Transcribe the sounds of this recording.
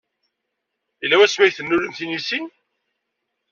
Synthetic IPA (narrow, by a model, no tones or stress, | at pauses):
ilːæwæsmæjθənːʊləmθinisin